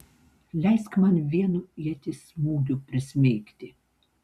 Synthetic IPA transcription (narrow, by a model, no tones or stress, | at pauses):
lʲɛjskmɑnʋʲiɛnuiɛt̪ʲɪsmuːd̪ʲupʲɾʲɪsʲmʲeːkt̪ʲɪ